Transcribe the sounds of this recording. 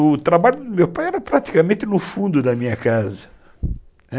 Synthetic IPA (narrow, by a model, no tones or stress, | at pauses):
ʊt̪ɾabaʎʊd̪ʊmewpajɛɾɐpɾat̪i̥kamẽt̪ɪnʊfũnd̪ʊd̪ɐmĩɲɐkazɐ